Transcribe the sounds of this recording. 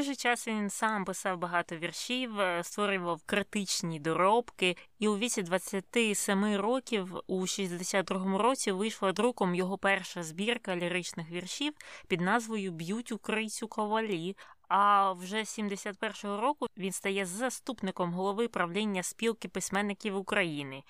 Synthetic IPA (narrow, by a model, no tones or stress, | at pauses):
ʒɪt͡ʃɑsʋʲinsɑmpɪsɑwbɐɦɑt̪ɔʋʲirʃʲiwst̪ʋɔɾʲʊʋɐwkɾɪt̪ɪt͡ʃnʲid̪ɔɾɔpkɪiʊʋʲit͡sʲid̪ʋɐt͡sʲːɐt̪ɪsɛmɪɾɔkʲiwuʃisʲd̪d̪esʲad̪̚d̪ɾuɦɔmʊɾɔt͡sʲiʋɪjʃlˠɐd̪ɾukɔmjɔɦɔpɛrʃɐzbʲirkɐɐlʲɪɾɪt͡ʃnɪxʋʲirʃʲiwpʲid̪nɑzʋɔjʊbjutʲukɾɪt͡sʲukɔʋɐlʲiɐwʒɛsʲimd̪esʲat̪̚pɛrʃɔɦɔɾɔkʊʋʲinst̪ɐjɛzːɐst̪upnɪkɔmɦɔlˠɔʋɪpɾɐwlʲinʲːɐspʲilˠkɪpɪsʲmɛnːɪkʲiwʊkɾɐjinɪ